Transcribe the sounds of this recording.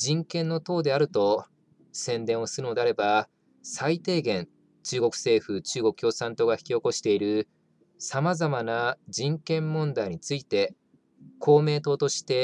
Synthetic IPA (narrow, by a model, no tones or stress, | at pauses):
d͡ʑĩŋkẽ̞nːo̞t̪o̞ːd̪e̞aɾɯ̟t̪o̞ | sẽ̞nd̪ẽɰ̃osɨɾɯno̞d̪e̞aɾe̞ba | sait̪e̞ːɡẽ̞n | t͡ɕɨːɡo̞kɯ̟̥se̞ːɸɯ̟t͡ɕɨːɡo̞kɯ̟çʲjo̞ːsãnt̪o̞ɡaçʲi̥kʲio̞ko̞ɕi̥t̪e̞iɾɯ̟ | samazamanad͡ʑĩŋkẽ̞mːõ̞nd̪aiɲ̟it͡sɨit̪e̞ | kʰo̞ːme̞ːt̪o̞ːt̪o̞ɕi̥t̪e̞